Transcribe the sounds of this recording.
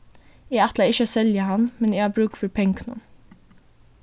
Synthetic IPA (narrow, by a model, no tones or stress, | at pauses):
ɛːɑt̪ləɪçəsɛljəhɑnmɛnɛːɡɑːbɾʉːkfɔɾpʰɛŋkʰnʊ̰n